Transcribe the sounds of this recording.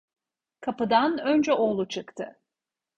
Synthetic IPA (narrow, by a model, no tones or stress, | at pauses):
kʰapɯd̪anønd͡ʒɛʔo̞lˠut͡ʃʰɯkt̪ʰɯ